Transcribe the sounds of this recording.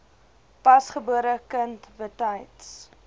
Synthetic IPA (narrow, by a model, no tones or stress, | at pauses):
pɐsχəbuəɾəkəntvətɐjts